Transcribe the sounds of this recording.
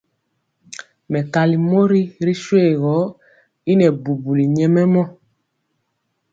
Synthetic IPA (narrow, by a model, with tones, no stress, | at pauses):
mɛ˨ka˨li˨mo˦ɾi˦ɾi˦ʃwe˦˨ɣɔ˨˦ | i˦nɛ˨bu˨bu˨li˨ɲɛ˨mɛ˦mɔ˦